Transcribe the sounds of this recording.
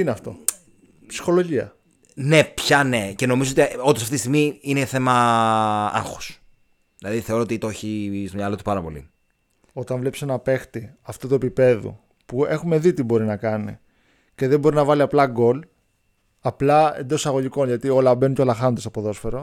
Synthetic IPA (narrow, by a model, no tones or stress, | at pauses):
ineɐft̪o̞̰ | psi̥xo̞lo̞ʝiɐ̰ | ne̞pçɐne̞ce̞no̞mizoo̞t̪iond̪osɐft̪it̪isiɣmiineθe̞mɐ | ɐ̰ŋxo̥s | ðilɐðiθe̞o̞ɾoot̪it̪oçist̪oɲɐlo̞t̪u̥pɐɾɐpo̞lḭ | o̞t̪ɐɱvle̞pse̞nɐpe̞xt̪iɐft̪ot̪uepipe̞ðṵ | pue̞xume̞ðit̪ibo̞ɾinɐkɐnḭ | ce̞ðembo̞ɾinɐvɐliɐplɐɡo̞l | ɐplɐe̞̰nd̪o̞sɐɣo̞ʝiko̞nʝɐt̪io̞lɐbe̞nunceolɐxɐnond̪sɐpo̞ðo̞sfeɾo̞